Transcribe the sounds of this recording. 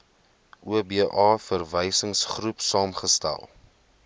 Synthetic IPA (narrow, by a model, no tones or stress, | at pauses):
ʔuəbiːʔɑːfərvəjsəŋsχrupsɑːmχəstæ̰lˠ